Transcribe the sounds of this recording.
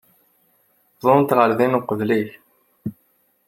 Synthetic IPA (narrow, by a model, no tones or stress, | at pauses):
zˤont̪ʁəɾðinuqəðliç